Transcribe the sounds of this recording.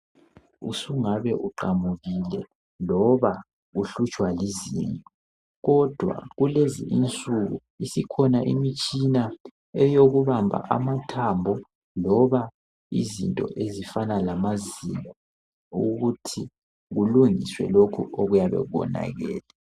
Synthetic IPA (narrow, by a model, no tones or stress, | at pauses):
usuŋaβɛʔuǃamuɣilɛ | lɔβa | ɣuɬut͡ʃʼwaliziːntʼɔ | ɣɔd̥ʱwa̰ɣuleziʔint͡sʼuɣṵ | isikʰɔnaʔimit͡ʃʼina | ɛjoɣuβambʱa̰ʔa̰matʰambʱɔ | lɔβa | izintʼɔ̰ʔezifanalamazimɔɔ | uɣutʰi | ɣuluŋiswɛ̰lokʰuʔoɣujaβɛ̰ɣuβɔ̰na̰ɣɛ̰ːla